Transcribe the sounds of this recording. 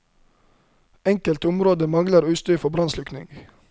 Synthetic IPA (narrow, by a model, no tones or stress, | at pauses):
ɛŋkəlt̪ʊmɾoːd̪əmɑŋləɾʉːst̪yːfɔbɾɑnslʉknɪ̰ŋɡ